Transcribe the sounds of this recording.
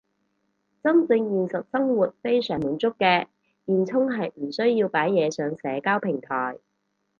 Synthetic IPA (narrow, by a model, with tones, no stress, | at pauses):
t͡sɐ˥mt͡sɪ˧ŋjiː˨nsɐ˨˩t̚sɐ˥ŋwuː˨t̚fe˥jsœː˨˩ŋmuː˨˧nt͡sʊ˥kːɛː˧ | jiː˨nt͡sʰʊ˥ŋɦɐ˨jm̩˨˩sɵ˥ɥjiː˧wpaː˨˥jːɛː˨˧sœː˨˧ŋsɛː˨˧kaː˥wpʰɪ˨˩ŋt̪ʰɔː˨˩j